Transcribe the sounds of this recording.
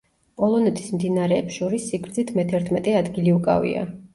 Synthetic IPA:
pʼɔlˠɔnɛt̪ʰʼi̥smd̪inaɾɛːpsʃɔɾisːiɡɾd̪zit̪ʰmɛt̪ʰɛɾt̪ʰmɛt̪ʼɛad̪ɡiliukʼa̰vḭa̰

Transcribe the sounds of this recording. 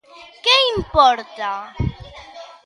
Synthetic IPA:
keĩmpɔɾt̪ɐ

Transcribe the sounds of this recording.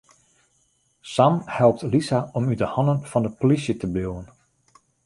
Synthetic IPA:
samhɛlˠp̚tlisaɔmydəhɑnənfɑndəpolisjətəbiwən

